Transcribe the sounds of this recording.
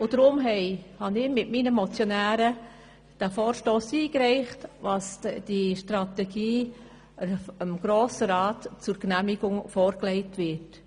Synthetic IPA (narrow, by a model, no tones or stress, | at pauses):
ʊd̥ɾʊmɦɛɪhɑnɪmɪtminəmɔt͡sjɔnæːɾə | d̥æfɔːɾʃtoːsiːkɾɛɪχtʋɑsd̥iʃtɾɑt̪ɛɡiː | əmɡ̥ɾoːsəɾɑːtt͡sʊɾknæmiɡ̥ʊŋfɔːɾklɛɪtʋɪt